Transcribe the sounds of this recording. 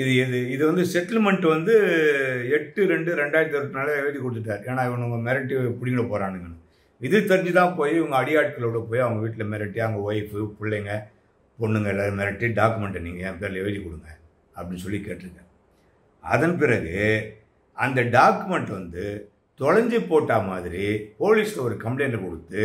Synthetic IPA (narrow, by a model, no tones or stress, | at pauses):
ɪðɯɪðɯɪðɯʋɐnd̪ɯsɛʈːlmɛɳʈʋɐnd̪ɯ | ɛʈːɯɾɛɳɖɯɾɛɳɖaːjɪɾɐt̪ɐɾʈ̪ːɯnaːlɛʋɐðikːɔɽɯt̪ːɯʈːaːɾeːnãːɪʋɐɳɯʋʊŋɡɐmɛɾɐʈːipʊɽɪɡɪnɐpoːɾaːnɯŋɡɐnːɯ | ɪðɯt̪ɛɾɪɲd͡ʒɯt̪ãːpoːjiɪʋɐŋɡɐɐɽɪjaːʈ̚kɐɭʋɽɐpoːjiɐʋɐŋɡɐʋiːʈːɪlɐmɛɾɐʈːiɐʋɐŋɡɐoːjɪpːɯpɪɭːɛŋɡɐ | pɔɳːɯŋɡɐɛlːaːðɯmɛɾɐʈːiɖaːkɯmɛɳʈniːŋɡɐjẽpeːɾlɐɛʋɐðikːɔɽɯŋɡɐ | ɐpːɐɽɪnːɯsɔlːikeːʈːɾɯkːɐ | ɐ̰ðɐnpɪɾɐɣɯ | ɐnd̪ɐɖaːkɯmɛɳʈʋɐnd̪ɯ | t̪ɔɻɐɲd͡ʒipoːʈːaːmaːðɪɾipoːlislɐɔɾɯkɐmpleːnɐkɔɽɯt̪ːɯ